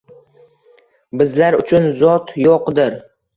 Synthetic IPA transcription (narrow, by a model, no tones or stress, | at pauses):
bɪzlaɾʊt͡ʃʰʊnzɒt̪joqd̪ɪɾ